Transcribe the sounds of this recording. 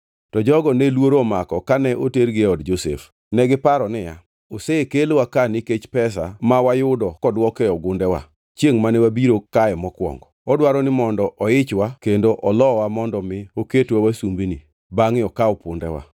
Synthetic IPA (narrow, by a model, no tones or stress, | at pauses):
tɔd͡ʒɔɡɔnɛlwoɾoɔmakɔkanɛʔoteɾɡɪɔdd͡ʒosḛf | nɛɡɪpaɾɔnɪja̰ | oseekelwakaniket͡ʃpɛs̬amawajʊdɔkɔdwɔkɛɔɡʊndɛwa̰ | t͡ʃjeŋmanɛwabiɾokaɛmɔkwɔ̰ŋɡɔ | ɔdwaɾɔnɪmɔndɔʔɔɪt͡ʃwakendoʔɔlɔwamɔndɔmɪoketwawasumbini | baŋɪɔkaɔpʊndɛ̰wa̰